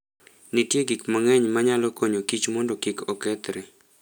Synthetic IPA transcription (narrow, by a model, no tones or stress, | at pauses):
nitjeɡikmaŋɛɲmaɲalɔkoɲokit͡ʃmɔndɔkikɔkɛt̪ɾɛ